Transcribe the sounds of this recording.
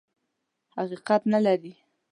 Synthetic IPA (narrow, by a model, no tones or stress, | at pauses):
haqiqat̪nalaɾi